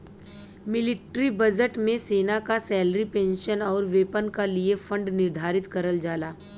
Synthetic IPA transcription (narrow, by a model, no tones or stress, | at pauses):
mɪlɪʈɾibəd͡ʒəʈmẽseːnakasɛːlɾipẽːnʃənɔːɾʋeːpənkaliefʰə̃ɳɖnɪɾd̪ʱaːɾɪt̪kɐɾəld͡ʒaːlaː